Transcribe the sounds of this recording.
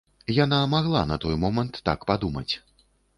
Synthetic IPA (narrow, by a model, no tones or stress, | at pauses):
janamaɣlˠa̰nɐt̪ɔjmɔmɐnt̪ːa̰kpad̪umɐ̰t͡sʲ